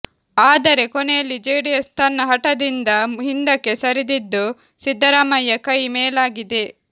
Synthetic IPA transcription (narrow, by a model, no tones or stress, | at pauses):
aːd̪ɐɾe̞kɔnejɐlːid͡ʒeːɽijɐst̪ʰɐnːɐɦɐʈɐd̪ind̪ɐɦind̪ɐkːe̞sɐɾid̪id̪ːu | sid̪ʱːɐɾaːmɐjːɐkɐjmeːlaːɡid̪e